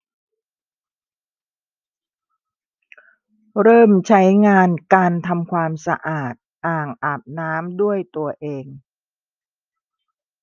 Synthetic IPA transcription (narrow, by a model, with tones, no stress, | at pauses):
ɾɤː˥˩mt͡ɕʰa˦˥jŋaː˧nkaː˧nt̪ʰa˧mkʰwaː˧msa̰˧ʔaː˨˩t̪̚ʔaː˨˩ŋʔa˨˩p̚naː˦˥mdu˥˩əjt̪u˧ɐʔeː˧ŋ